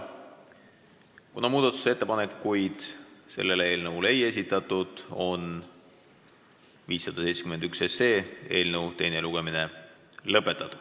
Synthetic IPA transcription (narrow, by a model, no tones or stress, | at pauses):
kunɑmuːd̪̥ɑt̪ːˑu̥seet̪ːepɑnekːujd̪̥se̞̰lːe̞lee̞ːlnɤvleeje̞s̬ʲit̪ːˑɑt̪ːˑud̪̥o̞n | viːsːɑd̪̥ɑse̞jt̪skyme̞nd̪ykse̞se̞ːe̞ːlnəwt̪e̞jne̞luɡ̥e̞mine̞ | lɤpːˑe̞t̪ːˑɑt̪ːˑu̥